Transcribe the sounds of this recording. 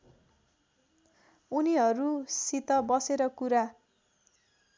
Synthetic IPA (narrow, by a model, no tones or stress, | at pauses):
uniɦʌɾusit̪ʌbʌseɾʌkuɾa